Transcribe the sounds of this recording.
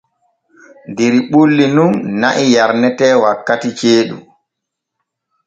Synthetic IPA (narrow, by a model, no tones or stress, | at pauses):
ndeɾiɓulːinunnaʔijaɾnɛtɛːwakːatit͡ʃeːɗṵ